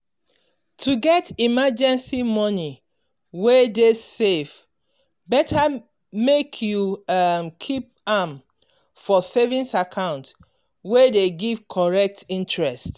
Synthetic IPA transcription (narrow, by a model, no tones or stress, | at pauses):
tʰuɡɛtimad͡ʒɛ̃nsimɔni | wedesev | bɛtʰa | mekʰjuamkʰip̚ | am | fɔsevĩnsakʰãʊ̃nt | wedeɡiv̥kʰɔɹɛk̚tĩntɹɛst